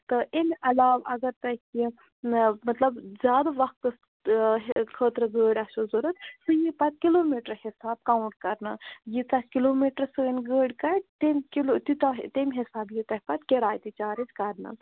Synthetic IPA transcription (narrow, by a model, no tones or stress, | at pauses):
t̪ɨʔenɐlaːʋɐɡɐɾt̪ɐki | mɐt̪lɐbzʲjaːd̪aʋɐkt̪ɐs | ɦkʰəːt̪ɾəɡəːɽʲɐʃozuɾɐt̪sɨjipɐt̪̚kiloːmiːʈəɾhisaːb̚kaːwɳʈ̚kɐɾnajit̪ɐɦʲkiloːmiːʈəɾsəːnʲɡəːɽʲkɐʈt̪emkilt̪it̪ɐt̪emʲɦisaːbjit̪ɐhʲpɐt̪keɾaːjt̪it͡ʃaːɾid͡ʒkɐɾna̰